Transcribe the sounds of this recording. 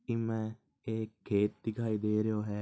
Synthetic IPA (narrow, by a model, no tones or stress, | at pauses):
imɛ | eːkʰːeːt̪ːikaid̪eːɾejoːɦɛː